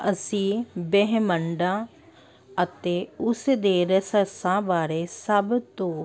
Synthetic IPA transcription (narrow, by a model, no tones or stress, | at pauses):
əsĩːbɛɦməɳɖãː | ət̪eːʊsd̪eːɾəsəsãbaːɾesəbt̪õː